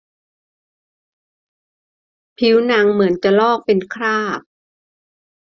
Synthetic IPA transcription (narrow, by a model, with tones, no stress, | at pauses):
pʰi˦˥wna˧ŋmɯ˩˦ənt͡ɕa˨˩lɔː˥˩k̚pe˧nkʰɾaː˥˩p̚